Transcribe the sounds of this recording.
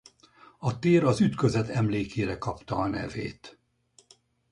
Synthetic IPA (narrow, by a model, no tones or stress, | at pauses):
ɒt̪eːɾɒzyt̪køzɛt̪ɛmleːkeːɾɛkɒpt̪ɒːnɛ̰vḛːt̪